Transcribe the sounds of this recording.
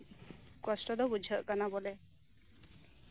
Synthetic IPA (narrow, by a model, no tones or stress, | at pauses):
kɔsʈɔd̪ɔbud͡ʒʱɔʔkanabɔle